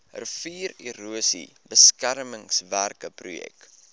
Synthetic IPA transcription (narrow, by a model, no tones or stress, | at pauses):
ə̰rfiːriɾuəsḭ | bəskærməŋsværkəprṵjɛ̰k